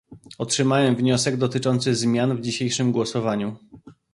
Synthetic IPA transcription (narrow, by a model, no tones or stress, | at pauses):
ɔtʂɘmawɛmvɲɔsɛɡd̪ɔt̪ɘt͡ʂɔnt̪sɘzmʲjanvd͡ʑiɕejʂɘmɡwɔsɔvaɲu